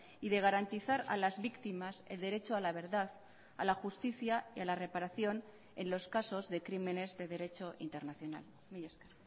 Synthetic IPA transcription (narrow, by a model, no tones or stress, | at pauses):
iðe̞ɣ̞aɾant̪iθaɾa̰lazβikt̪imase̞̰ld̪e̞ɾe̞t͡ʃoalaβ̞e̞ɾðað | a̰laxust̪iθjaialare̞paɾaθjo̞n | e̞nlo̞skaso̞zðe̞kɾime̞ne̞zðe̞ð̞e̞ɾe̞t͡ʃo̞ʔḭnt̪e̞ɾnaθjo̞na̰l | miʝesker